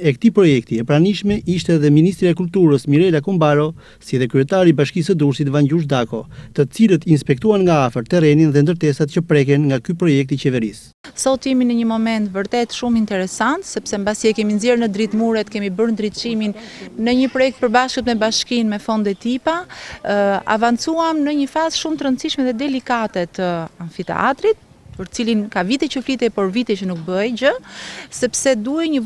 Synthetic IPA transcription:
ɛkt̪ipɾɔjɛk̚t̪iɛpɾaniʃmɛʔiʃt̪ɛðɛminist̪ɾiaɛkult̪uɾəsmiɾɛlakɔmbaɾɔ | siðɛkɾyɛt̪aɾibaʃkisəd̪uɾsit̪vaɲɟuʃd̪akɔt̪ət͡silət̪inspɛk̚t̪uanŋɡaafəɾt̪ɛɾɛninðɛnd̪əɾt̪ɛsat̪̚cəpɾɛkɛnŋɡakypɾɔjɛk̚t̪it͡ɕɛvɛɾis | sɔt̪iminəɲəmɔmɛnt̪vəɾt̪ɛt̪ʃumint̪ɛɾɛsant̪sɛpsɛmbasiɛkɛminzɛɾnəd̪ɾit̪muɾɛt̪kɛmibəɾnd̪ɾit͡ʃiminːəɲəpɾɔjɛk̚t̪̚pəɾbaʃkət̪mɛbaʃkinmɛfɔnd̪ɛt̪ipa | a̰vant͡suamnəɲəfazʃumt̪əɾənt͡siʃmɛðɛd̪ɛlikat̪ɛt̪əaɱfit̪ɛ̰ʔa̰t̪ɾit̪̚ | pəɾt̪t͡silinkavit̪ɛt͡ɕəflit̪ɛpɔɾvit̪ɛt͡ʃənuk̚bəɛjd͡ʑəsɛpsɛd̪uɛɲə

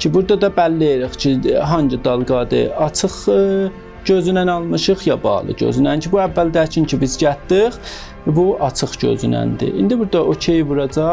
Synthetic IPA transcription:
cʰibuɾd̪ɑd̪ɑbælːeɾiχcʰiɦɑnd͡ʒid̪ɑlˠɡɑd̪ɯ̰ɑt͡ʃʰɯχ | ɟøzynænɑlˠmɯʃɯχjɑbɑ̰ːlˠɯ̰ɟø̰zynæncʰibuævːæld̪æt͡ʃʰincʰibizɟæt̪d̪iχ | buʔɑt͡ʃʰɯχɟø̰zynæ̰nd̪ḭʔind̪ibuɾd̪ɑocʰejbuɾɑd͡ʒɑ

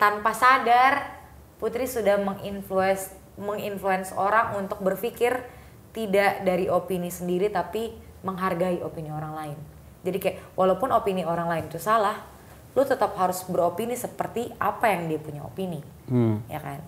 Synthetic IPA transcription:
t̪anpasadar | put̪ɾisudahməŋinfluɛs | məŋinfluɛnsoɾaŋunt̪ʊk̚bərfikɪr | t̪idaʔdaɾiʔopinisəndiɾit̪api | məŋɦarɡaiʔopinioɾaŋlaɪn | d͡ʒadikajaʔwʔalaupʊnopinioɾaŋlaɪnt̪usalah | lut̪ət̪ap̚haɾʊsbəropinisəpərt̪iʔapajaŋdiapuɲao̰pini | jʔa̰ka̰n

